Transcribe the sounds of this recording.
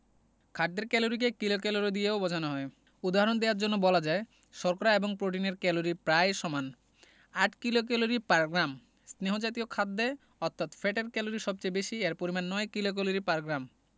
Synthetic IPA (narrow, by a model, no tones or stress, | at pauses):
kʰaɖd̪eɾkɛloɾik̬ekilokɛloɾid̪ijeobɔd͡ʑʱanoɦɔe | ud̪aɦaɾond̪eaɾd͡ʑonːobɔlad͡ʑae | ʃɔɾkoɾaeboŋpɾoʈ̬ineɾkɛloɾipɾaeʃɔman | aʈkilok̬ɛloɾipaɾɡɾam | sneɦod͡ʑat̪iokʰad̪ːe | ɔt̪ʰːat̪feʈeɾkɛloɾiʃɔb̚t͡ɕaebeʃieɾpoɾimanːɔekilok̬ɛloɾipaɾɡɾam